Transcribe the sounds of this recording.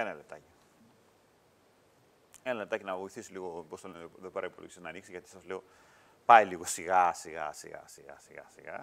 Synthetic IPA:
enɐle̞t̪ɐci̥ | enɐle̞t̪ɐcinɐvo̞iθisiliɣo̞post̪onðo̞peɾɐipolo̰ʝisinɐːniksiʝɐt̪i̥sɐzle̞o̞ | pɐiliɣo̞siɣɐsiɣɐ̰siɣɐ̰siɣɐ̰siɣɐ̰siɣɐ̰

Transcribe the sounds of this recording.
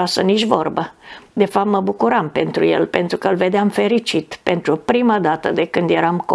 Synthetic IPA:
asənit͡ʃvorbəd̪e̞fap̚t̪məbukuɾampe̞nt̪ɾuje̞̰lpe̞nt̪ɾukəlve̞d̪eamfe̞ɾit͡ʃit̪pe̞nt̪ɾupɾimad̪at̪əd̪e̞kɨnd̪je̞ɾamko

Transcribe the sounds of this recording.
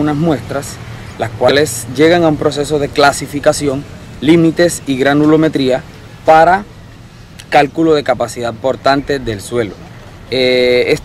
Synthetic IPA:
unasmwe̞st̪ɾas | laskwalesʝe̞ɣaŋaumpɾo̞se̞so̞ð̞e̞klasifikasjo̞ŋ | limit̪e̞siɣɾanulo̞me̞t̪ɾia | paɾa | kalkulo̞ðe̞kapasiðað̚po̞ɾt̪ant̪e̞ðe̞lswe̞lo | es

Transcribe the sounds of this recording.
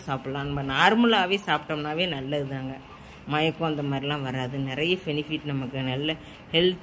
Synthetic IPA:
saːpɽɐlãːnɐmɐnaːɾmɐlaːʋeːsaːpʈːɐmnaːʋeːnɐlːɐðɯðaːŋɡɐ | mɐjɐkːõːɐnd̪ɐmaːd̪ɾɪlãːʋɐɾaːðɯnɪɾɐjɐpɛnɪfiːʈnɐmɐkːɯnɐlːɐ | hɛlt̪

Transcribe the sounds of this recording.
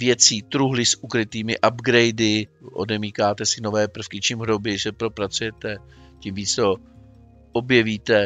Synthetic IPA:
vjɛt͡siːt̪ɾuɦlɪsʔukɾɪt̪iːmɪʔabɡɾɛjdɪʔo̰dɛmiːkaːt̪ɛsɪno̞vɛːpr̩fkɪt͡ʃimɦɾobjɪʒɛpɾo̞pɾat͡sujɛt̪ɛ | cimviːt͡st̪o̞ | ʔobjɛviːt̪ɛ

